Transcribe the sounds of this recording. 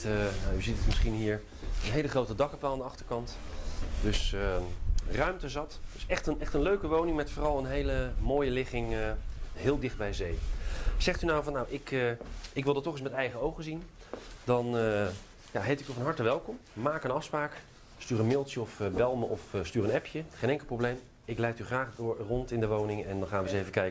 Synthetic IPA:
əjayzitətmɪsχinɦiːɹ | ənɦejləχrowtədɑkəpaːlˠandəɑχtəɹkɑntdɵsərœɥmtəzɑtd̥ɵsɛχtənɛχtənløɥkəʋownɪŋmɛtfoːrɑlˠənɦejləmoːjəlɪχɪŋ | ɦɪːlˠdɪχd̚bɛjzejz̥ɛχtynawvɑnːawʔɪkɪkʋɪlˠdɑtːɔχɪs̬mɛtɛjχəowχəzin | dɑn | jaɦejtɪk̚tɔfɑnɦɑɹtəʋɛlˠkɔmmaːkənɑfspraːk | styːɾənmɪlˠtjəɔfbɛlˠmʔɔfstyːrənɛpʰjəχejnɛŋkl̩ˠprowblejm | ɪklɛjtyχraːχdʊɹrɔntɪndəʋownɪŋɛndɑnχaːnʋəzejvəkɛjkə

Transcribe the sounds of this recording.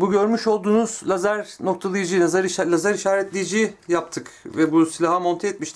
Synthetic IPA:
buɟø̞ɾmyʃo̞lˠd̪uːnuz̥lʲˠazæɾno̞k̚t̪ʰalˠɯjɯd͡ʒɯjnazaɾiʃalʲˠazaɾiʃaːɾɛt̪lʲejid͡ʒijjap̚t̪ʰɯkvɛbusilʲaɦamont̪ʰajɛt̪miʃt̪ʰɪ

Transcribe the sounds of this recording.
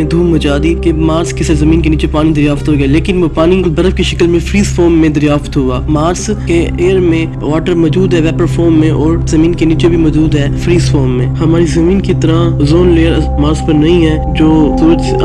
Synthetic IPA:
ẽd̪ʱuːmːɐt͡ʃaːd̪ikemaːɾskɪsezɐmĩːnkeniːt͡ʃepaːnid̪ɐɾjaːft̪ɦoɡaleːkɪnʋopaːnibɐɾəfkeʃɐkəlmẽfɾiːzfoːɾmːẽd̪ɐɾjaːft̪ɦoaːmaːɾskeeːəɾmẽ | ʋaːʈəɾmɔːd͡ʒuːd̪ɦɛːʋɛːpəɾfoːɾmːẽʔɔːɾzɐmĩːnkeniːt͡ʃebʱimɔːd͡ʒuːd̪ɦɛːfɾiːzfoːɾmːẽːhɐmaːɾizɐmĩːnkit̪əɾãzoːnleːəɾ | maːɾspəɾnɐɦĩɦɛː | d͡ʒoːsuːɾət̪

